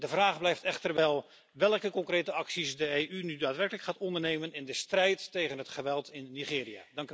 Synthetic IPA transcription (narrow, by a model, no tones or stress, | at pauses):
dəvraːχblɛjftɛχtərʋɛlˠ | ʋɛlˠəkəkɔŋkrejtəɑksisdəejʔynydaːtʋɛrkələkχaːtɔndərnejmənɪndəstrɛjtːejχənɦətχəʋɛlˠtɪnːiχɪːria̰dɑŋk